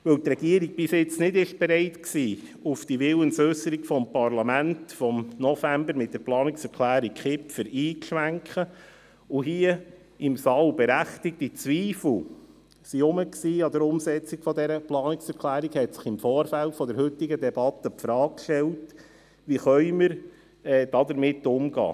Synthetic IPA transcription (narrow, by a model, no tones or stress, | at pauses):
ʋɵlt̪ɾɛɡiəɾiɡ̚b̥ɪsɪt͡snɪdɪʃb̥eɾɛɪtksiː | ufd̥iʋɪlənsøsəɾikfɔmpɑɾlɑmæntfɔmnɔfæmbəɾmɪt̚d̥̪ɛɾplɑːnɪksɛɾkʰlæːɾikχɪpfəɾiːkʃʋæŋkχə | ʊɦiə | ɪmsɑːlbɛɾæχtɪk̚tit͡sʋiːfl̩ | siʊməksiːɑd̪əɾʊmsɛt͡sikfɔd̪ɛɾəplɑːnɪksɛɾkʰlæːɾikhɛtsɪ̥χɪmfɔːɾfæltfɔdɛɾhʏtɪɡədɛbɑt̪əpfɾɑːk̚kʃtɛlt | ʋiχœʏməɾ | ɛːd̥ɑd̪əɾmɪtːʊmɡɑ̰ː